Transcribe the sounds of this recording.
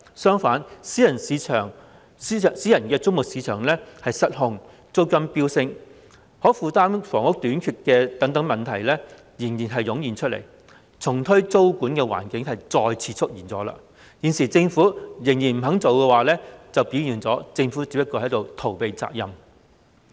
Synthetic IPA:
sœː˥ŋfaː˨˥nsiː˨˥jɐ˨˩nsiː˨˧t͡ʃʰœː˨˩ŋ˥˨ | siː˨˥jɐ˨˩nkɛː˧t͡sʊ˥ŋ̚mʊ˨k̚siː˨˧t͡ʃʰœː˨˩ŋlɛː˥hɐ˨jsɐ˥t̚hʊ˨ŋ | t͡so˥wkɐ˥mpiː˥wsɪ˧ŋ | hɔː˨˥fuː˨˧t̪aː˥mfɔː˨˩ŋʊ˥k̚t̪yː˨˥nkʰyː˧t̚kɛː˧t̪ɐ˨˥ŋt̪ɐ˨˥ŋmɐ˨nt̪ʰɐ˨˩jlɛː˥ | jiː˨˩njiː˨˩nɦɐ˨jːʊ˨˥ŋjiː˨˩nt͡ʃʰɵ˥lḛ˨˩j | t͡sʰʊ˨˩ŋt̪ʰɵ˥ɥt͡so˥wkuː˨˥nkɛː˧wa̰ː˨˩nkɪ˨˥ŋɦɐ˨jt͡sɔː˧jt͡sʰiː˨t͡sʰʊ˥k̚jiː˨˩nt͡sɔː˨˥la̰ː˧ | jiː˨˩nsiː˨˩t͡sɪ˧ŋfuː˨˥jɪ˨˩ŋjiː˨˩nm̩˨˩ɦɐ˨˥ŋt͡so˨wkɛː˧waː˨lɛː˥t͡sɐ˨wpi˨˥jyː˨˩nt͡sɔː˨˥t͡sɪ˧ŋfu˨˥t͡siː˨˧pːɐ˥tkːɔː˧hɐ˨˥jt̪o˨wt̪ʰo˨˩wpe˨˧jt͡sa̰ː˧k̚jɐ˨m

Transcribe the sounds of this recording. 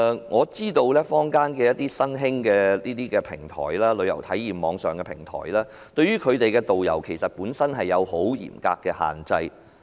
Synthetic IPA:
ŋɔː˨˧t͡siː˥t̪o˧wlɛː˥fɔː˥ŋkaː˥nkɛː˧jɐ˥t̚t̪iː˥sɐ˥nɦɪ˥ŋkɛː˧liː˥t̪iː˥kɛː˧pʰɪ˨˩ŋt̪ʰɔ̰ː˨˩jlaː˥lɵ˨˧ɥjɐ˨˩wt̪ʰɐ˨˥jːiː˨˩mmɔː˨˧ŋsœː˨˩ŋkɛ˧pʰɪ˨˩ŋt̪ʰɔ̰ː˨˩jlaː˥ | t̪ɵ˧ɥyː˥kʰɵ˨˧ɥt̪e˨jkɛː˧t̪o˨wjɐ̰˨˩wkʰe˨˩jsɐ˨t̚puː˨˥nsɐ˥nɦɐ˨jːɐ˨˧who˨˥wjḭː˨˩mka̰ː˧kːɛː˧ha̰ː˨˩nt͡sɐ˧j

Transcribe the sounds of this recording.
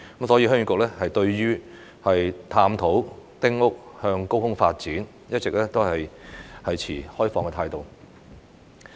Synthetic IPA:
kə˨˦msɔː˨˥jiː˧ɦœː˥ŋy˨˥kʊ˨k̚lɛː˥hɐ˨jt̪ɵ˧ɥɥyː˥ | hɐ˨jt̪ʰaː˧mt̪ʰo˨˥wt̪ɪ˥ŋʊ˥k̚hœː˧ŋko˥whʊ˥ŋfa̰ː˧t̚t͡siː˨˥n | jɐ˥t̚t͡sɪ˨k̚lɛː˥t̪o˥whɐ˨jhɐ˨jt͡sʰiː˨˩hɔː˥jfɔː˨ŋkɛ˧t̪ʰaː˧jt̪o˨˩w

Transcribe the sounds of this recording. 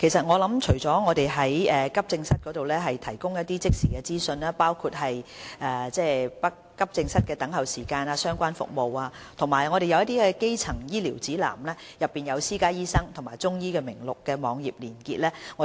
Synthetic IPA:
kʰe˨˩jsɐ˨t̚ŋɔː˨˧lɐ˨˥mt͡ʃʰɵ˨˩ɥt͡sɔː˨˥ŋɔː˨˧t̪e˨jɦɐ˨˦˥jɛː˨kɐ˥p̚t͡sɪ˧ŋsɐ˥t̚kɔː˨˥t̪o˨wlɛː˥ɦɐ˨jt̪ʰɐ˨˩jkʊ˥ŋjɐ˥t̚t̪iː˥t͡sɪ˥k̚siː˨˩kɛː˧t͡siː˥sɵ˧naː˧paː˥wkʰuː˧t̚ɦɐ˨jʔɛː˨t͡sɛː˥˩pɐ˥kːɐ˥p̚t͡sɪ˧ŋsɐ˥t̚kɛː˧t̪ɐ˨˥ŋɦɐ˨˩wsiː˨˩kaː˧naː˧sœː˥ŋkʷaː˥nfʊ̰˨k̚mo˨waː˧t̪ʰʊ˨˩ŋmaː˨˩jŋɔː˨˧ɾe˨jɐ˧wjɐ˥t̪̬iː˥kɛ˧ke˥jt͡sʰɐ˨˩ŋjiː˥liː˨˩wt͡siː˨˥la̰ː˨˩mlɛː˥ | jɐ˨pːiː˨˩njɐ˨˧wsiː˥kaː˥jiː˥sɐ˥ŋt̪ʰʊ˨˩maː˨˩jt͡sʊ˥ŋjiː˥kɛː˧mɪ˨˩ŋlʊ˨kːɛː˧mɔː˨˧ŋjiː˨p̚liː˨˩nkḭː˧t̚lɛː˥ŋɔː˨˧

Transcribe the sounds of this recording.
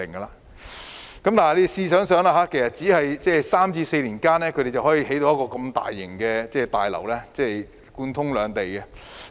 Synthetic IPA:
ɪ˨˩ŋɡɐ˧laː˨ | kɐ˦mt̪aː˨n˨liː˥˧siː˧sœː˨˥ŋsœː˨˧˥ŋlaː˧ɦaː˨˧˥kʰe˨˩jsɐ˨t̚t͡si˨˥hɐ˨jt͡sɛː˥˩saː˥mt͡siː˧se˧jliː˨˩nkaː˥nɛː˥kʰɵ˧˥ɾe˨jt͡sɐ˨whɔː˨˥jiː˧ɦe˨˥jt̪o˧wjɐ˥kɔː˧kɐ˧mt̪a̰ː˨jːɪ̰˨˩ŋkɛː˧t͡sɛː˥˧t̪a̰ː˨jlɐ̰˨˩wlɛː˥t͡sɛː˥˩ | kuː˧nt̪ʰʊ˥ŋlœː˨˧ŋt̪e˨jkɛ˧

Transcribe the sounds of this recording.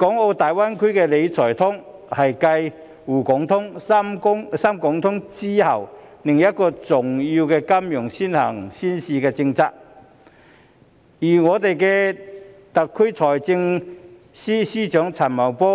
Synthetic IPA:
kɔː˨˥ŋo˧wt̪aː˨jwa˥nkʰɵ˥kɛ˧le˨˧jt͡sʰɔː˨˩jt̪ʰʊ˥ŋ | hɐ˨jkɐ˧j | wuː˨˩kʊ˨˥ŋt̪ʰʊ˥ŋa˥mkʊ˥ŋsaː˥mkɔ˨˥ŋt̪ʰʊ˨˥ŋt͡siː˥hɐ˨˩wlɪ˨˩ŋjɐ˥t̚kːɔː˧t͡sʊ˨˩ŋjiː˧wkɛː˧kɐ˥mjʊ˨˩ŋsiː˥nhɐː˨˩ŋsiː˥nsiː˨˧kɛː˧t͡sɪ˧ŋt͡saː˧k̚ | jiː˨˩ŋɔː˨˧t̪e˨jkɛ˧ | t̪ɐ˨kʰːɵ˥t͡sʰɔː˨˩jt͡sɪ˧ŋ | siː˥siː˥t͡ʃœː˨˥ŋt͡sʰɐ˨˩nmɐ˨˩wpɔː˥

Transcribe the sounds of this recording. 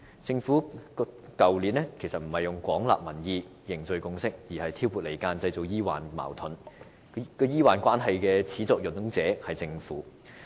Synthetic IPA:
t͡sɪ˧ŋfuː˨˥ | kɐ˨wliː˨˥nlɛː˥kʰe˨˩jsɐ˨t̚m̩˨˩hɐ˨jjʊ˨ŋkʷɔː˨˥ŋla̰ː˨p̚mɐ˨˩njiː˧ | jɪ˨˩ŋt͡sɵ˨˧ɥkʊ˧ŋsɪ˥k̚jiː˨˩hɐ˨jt̪ʰiː˥wpuː˨t̚le˨˩jkaː˧nt͡sɐ˧jt͡so˨wjiː˥wa̰ː˨˩nma̰ː˨˩wt̪ʰʊ˨˥n | kɔ˧jiː˥waː˨nkʷaː˥nɦɐ˨jkɛː˧t͡sʰiː˨˥t͡sɔː˨k̚jɵ˨˩nt̪ʊ˨˥ŋt͡sɛː˨˥hɐ˨jt͡sɪ˧ŋfuː˨˥

